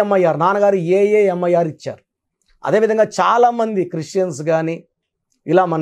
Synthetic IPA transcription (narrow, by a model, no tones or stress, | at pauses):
mːɐjːaːɾnaːnɐɡaːɾueːjeːɛmːɐjːaːɾit͡ʃːa̰ːɾu | ɐ̰d̪e̞ːʋid̪ʱɐŋɡaːt͡ʃaːlaːmɐnd̪ikɾiʂʈt͡ʃɐns̬ɡaːniː | ilaːmɐn